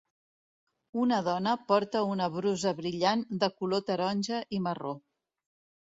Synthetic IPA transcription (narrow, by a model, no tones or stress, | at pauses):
unəð̞ɔnəpɔɾt̪əunəβɾuzəβɾiʎand̪əkulot̪əɾɔnʲʒəʔiməro